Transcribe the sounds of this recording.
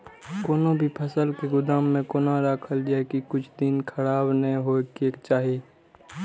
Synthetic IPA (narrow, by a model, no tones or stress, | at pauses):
koːnõbʱipʰəsəlkeɡʊd̪aːmːẽkoːnaɾaːkʰəld͡ʒaːɛkikʊt͡ʃʰd̪ɪnkʰəɾaːbnəĩɦoːkeːkt͡ʃaːɦeː